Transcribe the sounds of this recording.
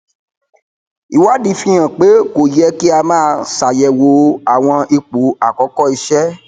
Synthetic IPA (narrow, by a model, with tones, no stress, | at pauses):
i˨wa˦dĩ˧fĩ˧j̃ã˨k͡pe˨˦ko˨jɛ˧˦ki˦a˧mãː˦˧sa˨jɛ˨wo˨˦a˨w̃ɔ̃˧i˧k͡pu˨˦a˨kɔ˨˦kɔ˦i˧ʃɛ˦